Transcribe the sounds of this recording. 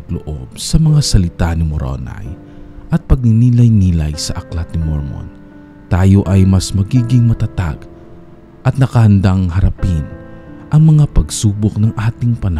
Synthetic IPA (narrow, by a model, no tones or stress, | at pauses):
tlo̰ʔob̥̚sɐmɐŋasɐlɪt̪anɪmoɾʔo̰na̰j | ʔɐt̪̚pɐɡ̚nɪniːlɐjniːla̰jsɐʔɐklat̪̚nɪmoɹmo̰n | t̪aːjo̞ʔɐjmɐsmɐɡiːɡɪŋmɐt̪ɐt̪a̰ɡ | ʔɐt̪̚nɐkɐhɐnd̪aŋɦɐɾɐpɪnʔɐŋmɐŋapɐɡsuːbok̚nɐŋʔaːt̪ɪŋpɐnɐ